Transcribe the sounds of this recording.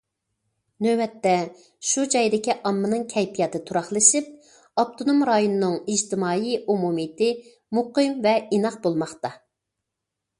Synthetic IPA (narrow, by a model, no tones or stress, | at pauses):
nøwɛt̪ːɛ | ʃud͡ʒɑjd̪ɪkʲiʔɑmːɨnɨŋkʲʰɛjt̪ʰijɑt̪ɨt̪ʰuɾɑχlˠɨʃip̚ | ɑp̚t̪ʰonumɾɑjonɨnɨŋid͡ʒt̪ʰɪmɑːiʔumumit̪ɪ | muqɨmvɛinɑq̚bolˠmɑχt̪ɑ